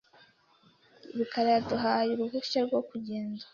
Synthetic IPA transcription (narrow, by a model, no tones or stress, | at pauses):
iβikʰaɾajaduɦaːjuɾubɡit͡ʃaɾɡwokuɟeːnzḁ